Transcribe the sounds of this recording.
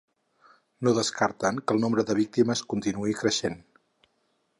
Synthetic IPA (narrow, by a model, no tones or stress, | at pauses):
noðəskaɾt̪əŋkəlˠnombɾəðəβik̚t̪iməskunt̪inuikɾəʃen